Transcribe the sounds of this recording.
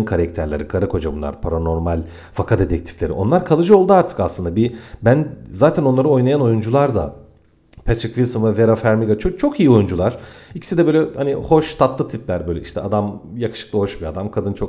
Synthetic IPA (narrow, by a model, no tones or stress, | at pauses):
nkʰaɾɛkt̪ʰæɾlʲeɾikʰaɾɯkʰo̞d͡ʒabunˠa̰ɾpʰaɾano̞ɾmalʲ | fakʰad̪et̪ʰɛc̚t̪ʰi̥flʲe̞ɾiʔo̞̰nlˠaɾkʰalˠɯd͡ʒɯo̞lˠd̪uaɾt̪ʰɯ̥kaslɯnd̪abibænzaːt̪ʰɛno̞nˠaɾɯo̞jnajano̞jund͡ʒulˠaɾd̪a̰ | pʰɛt̪ʰɯkvilˠsɯmvɛveɾafæɾmiɡat͡ʃʰot͡ʃʰo̞kijio̞jund͡ʒulˠaɾ̥icʰi̥sid̪ɛbøjlʲɛhaniho̞ʃt̪ʰat̪lˠɯt̪ʰiplʲæɾbø̞jlʲɛʔiʃt̪ʰɛad̪amjakɯ̥ʃɯ̥k̚lˠɯho̞ʃbiad̪amkʰad̪ɯnt͡ʃʰo̞k